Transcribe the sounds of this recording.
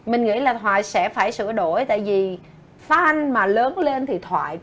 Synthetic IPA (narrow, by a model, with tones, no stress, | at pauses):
mï˨˩ŋ̟ŋḭ˧˥laː˨˩t̪ʰwaː˨˩jsɛ̰˧˥faː˧˩jsɨ̰˧˩əɗo˧˩jt̪a̰ː˧˨jvi˨˩ | faː˨˦ʔa˧ŋ̟maː˨˩ləː˨˦nle˧nt̪ʰi˨˩t̪ʰwa̰ː˧˨j